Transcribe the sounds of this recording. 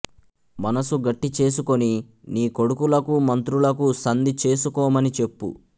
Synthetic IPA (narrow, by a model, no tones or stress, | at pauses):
mɐnɐsuɡɐʈːit͡ʃe̞ːs̬uko̞ni | niːko̞ɽukulɐkumɐnt̪ɾulɐkusɐnd̪it͡ʃe̞ːs̬ukɔːmɐnit͡ʃe̞pːṵ